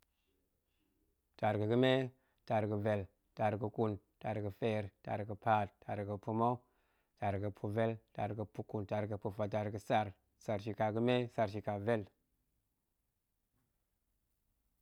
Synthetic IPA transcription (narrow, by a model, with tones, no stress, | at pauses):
ta˨ɾɡə˨ɡə˦me˦ | ta˨ɾɡə˨ve˨l | ta˨ɾɡə˨ku˨nta˨ɾɡə˨fe˨ɾta̰˨ɾɡə˨pa˦tta˨ɾɡə˨pu˧ma˦w | ta˨ɾɡɨ˨pʰu˧ve˦lta̰˨ɾɡə˨pu˦ku˨nta˨ɾɡə˨pu˨fa˨ta˨ɾɡə˨sa˧ɾ | sa˨ɾʃi˨ka˨ɡə˦me˦sa˧ɾʃi˨ka˨ve˦l